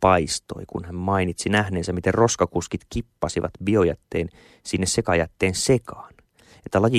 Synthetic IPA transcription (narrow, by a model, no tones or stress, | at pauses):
pɑist̪o̞̰ikṵnhæmmɑinit̪sinæhneːnsæmit̪erro̞skɑkuskit̪kipːɑsiʋɑ̰t̪bio̞jæ̰t̪ːeːn | sinːessekɑjæt̪ːeːnsekɑ̥ːn | et̪ːælɑji